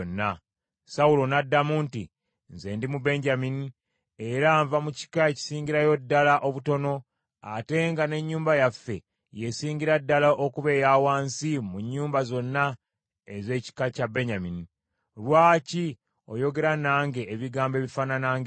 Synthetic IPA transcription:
nːa | saulo̞nadːamuːntḭ | nze̞ːndimube̞ɲɟamini | e̞ɾaɱvamuci̥kaeci̥siːɲɟiɾajo̞dːalaʔo̞βuto̞no̞ | a̰te̞ŋɡane̞ɲːuːmbajafːe̞ | jesiːɲɟiɾadːalaʔokuβe̞ːjaːwaːnsimuɲːuːmbazo̞nːa | eze̞ːci̥kacabe̞ɲamini | lwaːci | o̞̰jo̞ɡe̞ɾanaːŋɡe̞ʔːβiɡaːmbe̞ːβifaːnanaːŋɡe

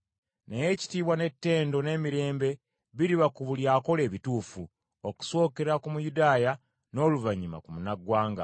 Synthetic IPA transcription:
naje̞ːci̥tiːβwane̞tːe̞ːndo̞ne̞ːmiɾe̞ːmbe̞ | βiɾiβakuβuljaːko̞le̞ːβituːfu | oku̥so̞ːke̞ɾakumujudaːja | no̞ːluvaɲima̰kumunaɡwaːŋɡa̰

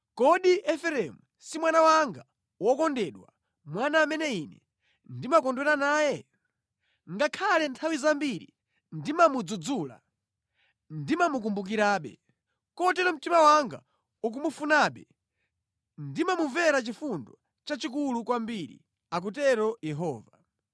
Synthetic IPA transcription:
kɔɗiʔɛfɛɾɛmu | simwanawaŋɡa | wɔkɔndɛɗwa̰ | mwanaːmɛnɛiːnɛ | ndimakɔndwɛɾanaːjɛ | ŋɡakʰalɛntʰawizambiɾḭ | ndimamud͡zud͡zula̰ | ndimamuk̬umbuk̬iɾaːɓɛ̰ | kɔtɛɾɔm̩timawaŋɡa̰ | uk̬umufunaːɓɛ | ndimamuvɛɾat͡ʃifundɔ | t͡ʃat͡ʃikulukwambiɾḭ | ak̬utɛɾɔjɛɦɔːva

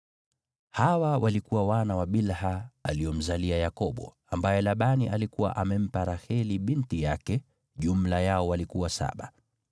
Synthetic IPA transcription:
hawawʔalikuwawanawaɓilhaaliɔm̩zaliajakɔɓɔ̰ | ambajɛlaɓaniʔalikuwa̰ʔamɛm̩paɾaxɛliɓintijakɛ | ʄum̩lajaɔwalikuwasa̰ɓa̰

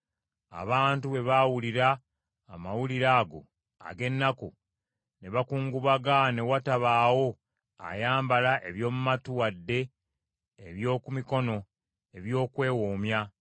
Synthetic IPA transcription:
a̰βaːntuβe̞βawuliɾaː | mawuliɾaːɡo̞̰ | a̰ɡe̞nːaku | ne̞βakuːŋɡuβaɡane̞wataβaːwo̞ | a̰jaːmbalaʔe̞βjo̞ːmumatuwadːe̞ː | βjo̞ːkumiko̞no̞ | e̞βjo̞ːkwe̞ːwoːmja

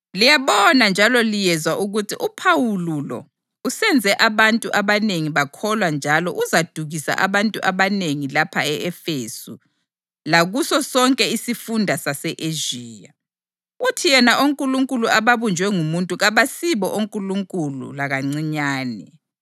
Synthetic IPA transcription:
lijaβɔnand͡ʒʱalɔlijɛzwaʔuɣutʰiʔupʰawululɔ̰ | usɛnd͡zʱɛʔaβantʼuʔaβaneŋiβakʰɔlwand͡ʒʱalɔ̰ʔuzad̥ʱuɣisa̰ʔaβantʼuʔaβaneŋilapʰaɛɛfeːsṵ | laɣusɔsɔŋkʼɛisifundʱasasɛʔeʒiːja̰ | utʰijɛnaʔoŋkʼuluŋkʼuluʔaβaβund͡ʒʱwɛŋumuntʼuɣaβasiβɔʔoŋkʼuluŋkʼulṵlaɣaŋ͡ǀiɲaːnɛ̰

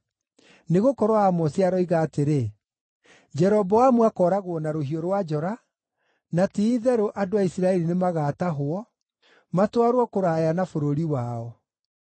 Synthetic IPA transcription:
neɣokɔɾwaamɔsjaɾɔiɣaːteɾe | d͡ʒɛɾɔbɔwamwakɔːɾaɣwɔnaɾoɦioɾwad͡ʒɔɾa | natiːðɛɾoʔadoaisɾaɛɾinemaɣaːtaɦoɔ | matwaɾwɔkoɾajanafoɾoɾiwaɔ

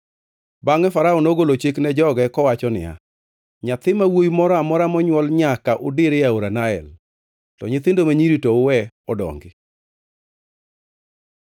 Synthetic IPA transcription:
baŋɛfaɾaɔnoɡolot͡ʃeknɛd͡ʒɔɡɛkɔwat͡ʃɔnɪ̰ja̰ | ɲat̪ɪmawojmɔɾɔamɔɾamɔɲwɔlɲakaʔʊdɪɾɪjaoɾanaɛ̰l | tɔ̰ɲɪt̪ɪndomaɲiɾitoʊwɛ | ɔdɔ̰ŋɡɪ

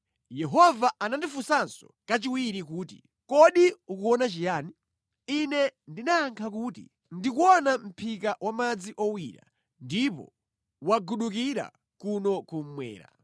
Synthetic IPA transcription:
jɛɦɔvaanandifusansɔkat͡ʃiwiɾikuːti̥̰ | kɔɗiukuɔnat͡ʃijaːni | inɛndinaːŋkʰakuːtḭ | ndikuɔnam̩pʰikawʔamad͡ziʔɔwiːɾa̰ | ndipɔ̰ | waɡuɗuk̬iɾa̰ | kunɔkum̩mwɛ̰ːɾa̰

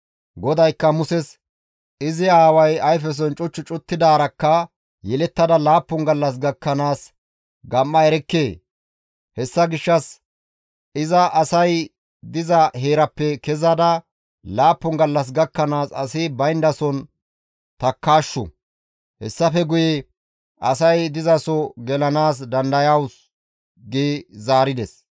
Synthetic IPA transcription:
ɡɔd̪ɐjkːɐmʊsɛs | ɪzɪaːwɐjɐjf̬ɛs̬ɔnt͡ʃʼʊt͡ʃːʊt͡ʃʼʊt̪ːɪd̪aːɾɐkːɐ | jɛlɛt̪ːɐd̪ɐlaːpːʊŋɡɐlːɐs̬ɡɐkːɐnaːs | ɡɐmːɐɛɾɛkːeː | hɛsːɐɡɪʃːɐs | ɪzɐʔːsɐj | d̪ɪzɐhe̞ːɾɐpːɛkɛzɐd̪ɐ | laːpːʊŋɡɐlːɐs̬ɡɐkːɐnaːsɐ̰sɪbɐjnd̪ɐsɔn | t̪ɐkːaːʃːɔ̰ | hɛ̰sːɐfɛɡʊjɛ | ʔɐsɐjd̪ɪzɐsɔɡɛlɐnaːs̬d̪ɐnd̪ɐjaws | ɡeːzaːɾɪd̪ɛs

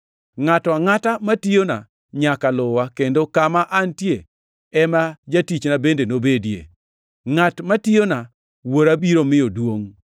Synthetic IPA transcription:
ŋataŋatamatijona | ɲakalʊwakendokamaʔantje | ɛmad͡ʒatit͡ʃnabendenobedijḛ | ŋatmationa | woɾabiɾomɪodwoŋ

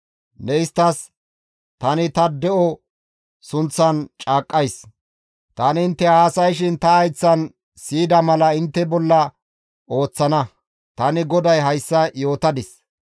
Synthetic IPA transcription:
nɛɪst̪ːɐs | t̪ɐnɪt̪ɐd̪ɛʔɔ | sʊnt͡sːɐnt͡ʃʼaːkʼːɐjs | t̪ɐnɪɪnt̪ːɛhaːsɐjʃ̬ɪnt̪ɐːjt͡sːɐn | siːd̪ɐmɐlɐɪnt̪ːɛbɔlːɐ | o̞ːt͡sːɐnɐ | t̪ɐnɪɡɔd̪ɐjɦɐjsːɐjo̞ːt̪ɐd̪ɪs

